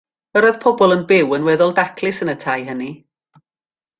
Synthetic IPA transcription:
əɾɔð̥pʰɔbɔlˠənbɪwənwɛðɔlˠdakʰlˠɪsənətʰajɦəni

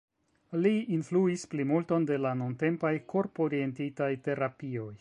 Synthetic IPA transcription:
liinfluisplimulto̞nde̞lanunte̞mpajkʰo̞ɾpo̞ɾie̞ntitajte̞ɾapio̞j

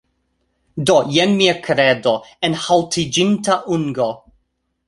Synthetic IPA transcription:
dojɛnmiakʰɾɛdoenhaltʰid͡ʒintaʔuŋɡo

